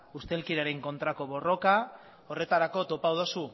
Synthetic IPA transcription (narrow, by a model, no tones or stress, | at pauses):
ust̪e̞lkiɾaɾe̞ŋko̞nt̪ɾako̞βo̞ro̞ka | o̞re̞t̪aɾako̞t̪o̞pawðosu